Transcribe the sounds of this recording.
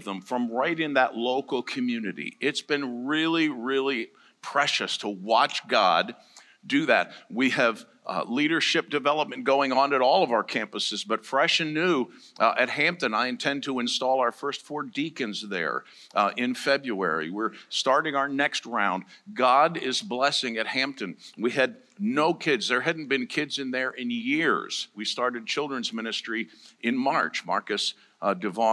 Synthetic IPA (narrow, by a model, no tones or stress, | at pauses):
ðə̃ɱfɹʌ̃mɹaɪɾɨ̃nðəʔˡloʊkl̩ˠkʰɨmjʉnɨɾḭɪtsb̥ɨ̃nɹɪlˠiɹɪlˠi | pʰɹ̥ɛʃɨstʰəwɑt͡ʃɡ̥ɑ̰dː | ɨðæ̰t̚wiɨv | liɾə˞ʃɪp̚d̥ɨvɛlˠəp̚mɨ̃nɡ̥oʊɪ̃ŋə̃nɨɾɔlˠʌvaʊə˞kʰæ̃mpəsɨzbʌtfɹɛʃɨ̃nʉ | ʔɨt̚hæ̃mp̚tɨ̃naɪɨ̃ntʰɛ̃ntʰəɨ̃nstɔlˠaʊə˞fɜ˞stfɔɹdikɨ̃ndzðə̰˞ | ɪ̃nfɛbɹuɛ̰ɹḭwɪɹstɑɹɾɪ̃ŋaʊə˞nɛkst̚ɹãʊ̃ndɡɑɾɪzblɛsɪ̃ŋɨt̚hæ̃mp̚tɨ̃nwiɨdⁿ | noʊkʰɪdzðə˞ɦædⁿn̩b̥ɨ̃nkʰɪdzɨ̃nðə˞ʔɪ̃njɪɹz̥wistɑɹɾɨd̚t͡ʃʰɪlˠdɹɨ̃nzmɪ̃ñɨstɹ̥iʔɨ̃nmɑɹt͡ʃmɑ̰ɹkɨs | dɨvɑ